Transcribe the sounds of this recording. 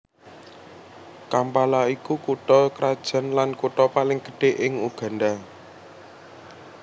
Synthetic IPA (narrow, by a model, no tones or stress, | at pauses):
kampalaikukuʈɔkɾad̥ʒ̥ə̤nlankuʈɔpalɪŋɡ̥ə̤ɖ̥e̤ʔɪŋuɡ̥a̤nɖa